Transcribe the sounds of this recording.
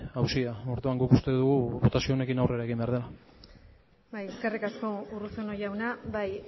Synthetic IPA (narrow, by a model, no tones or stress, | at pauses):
awsiao̞ɾðuaŋɡuku̥st̪e̞ðuɣuβo̞t̪asio̞ːne̞kinawre̞ɾaeɣimbe̞aɾðe̞la | bajeskerikasko̞urusono̞jawnabaj